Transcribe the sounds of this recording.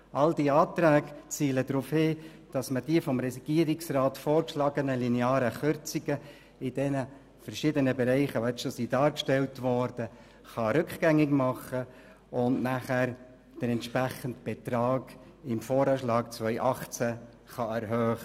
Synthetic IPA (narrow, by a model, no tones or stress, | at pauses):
ʔɑldiɑːtɾæːɡt͡siːlədɾufhɪ | d̥ɑsməd̥iəfɔmɾɛsiɡ̥iəɾɪksrɑːtfoːɾkʃlɑɡənəlineɑːɾəχʏɾt͡siɡə | ɪd̥ɛnə | fəɾʃɪdənəbɛɾɛɪχəʋoɛt͡sʃosidɑːɾkʃtɛltʋɔːɾd̥ə | χɑɾʏkχɡ̥æŋɪɡmɑχːə | ʊnnæχæɾ | d̥əɾɛntʃpɾæχəntb̥ɛtɾɑːɡ̥ | ɪmfoːɾɑːʃlɑːɡt͡svœʏʔɑχt͡sæ | χɑɛɾɦœːχə